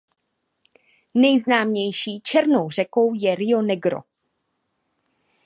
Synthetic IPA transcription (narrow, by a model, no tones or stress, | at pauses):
nɛjznaːmɲɛjʃiːt͡ʃɛɾnowr̝ɛko̞wjɛɾɪonɛɡɾo̰